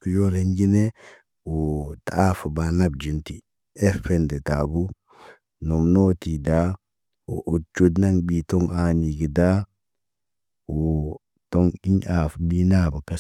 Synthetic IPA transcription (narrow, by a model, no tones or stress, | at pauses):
kujɔleɲɡinɛ | ɔtaafabanabd͡ʒinti | ɛfɛndɛtabu | nɔmnotida | ɔ̰ʔot͡ʃːudnaŋɓitɔŋaniɡida | ɔ | tɔŋiɲafbinabakɛ